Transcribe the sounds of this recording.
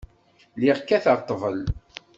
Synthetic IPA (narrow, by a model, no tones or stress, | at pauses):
liʁkːæθəɾt̪ˤːəvəl